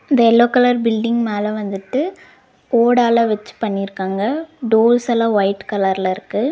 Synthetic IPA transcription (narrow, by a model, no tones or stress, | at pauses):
ɪnd̪ɐɛlːoːkːɐlɐɾbɪlɖɪŋɡmaːlɐʋɐnd̪ɯʈːɯ | oːɽaːlɐʋɛt͡ʃːɯ̥pɐɳːɪɪɾɯkːaːŋɡɐɖoːlsɐlaʋɐɪʈkɐlɐɾlɐɪɾɯkːɯ